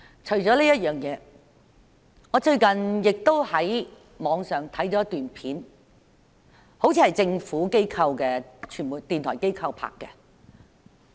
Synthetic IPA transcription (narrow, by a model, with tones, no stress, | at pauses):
t͡ʃʰɵ˨˩ɥt͡sɔː˨˥liː˥jɐ˥t̚jœː˨ŋjɛː˨˧ | ŋɔː˨˧t͡ʃɵ˧ɥkɐ˨˩njɪ˨k̚t̪o˥whɐ˨˥j | mɔː˨˧ŋsœː˨˩ŋt̪ʰɐ˨˥jt͡soː˨˥jɐ˥t̪yː˨npʰiː˨˥n | ho˨˥wt͡sʰiː˧hɐ˨˩jt͡sɪ˧ŋfuː˨˥ke˥jkʰɐ˧wkɛː˧t͡ʃʰyː˨˩nmuː˨˩jt̪iː˨nt̪ʰɔː˨˩jke˥jkʰɐ˧wpʰa̰ː˧kːɛ˧